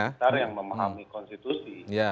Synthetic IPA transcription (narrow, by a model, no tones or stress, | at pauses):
ataɾjaŋməmaɦamikɔnst̪it̪usija